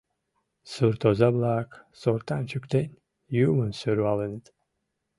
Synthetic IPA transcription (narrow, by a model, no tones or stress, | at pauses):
sɨɾt̪ʰozablˠaːksoɾt̪anʲt͡ʃʰykt̪enʲ | juːmɨnsyɾwalˠɨnt̪